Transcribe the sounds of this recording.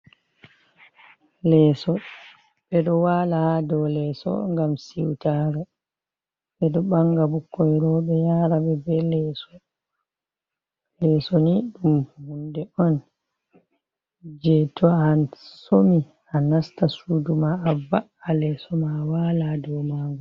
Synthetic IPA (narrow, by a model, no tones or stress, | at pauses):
lɛsɔ | ɓɛɗɔwaːlahadɔlɛsɔ̰ŋɡamsiwtaːɾɛ | ɓɛɗɔɓaŋɡabukːɔjɾɔːɓɛjaɾaɓɛbɛlɛsɔ | lɛːsɔniɗuumhundɛʔɔn | d͡ʒɛtʰɔasomi | anastasudumaavaːlɛsɔmawaladɔmaːŋɡu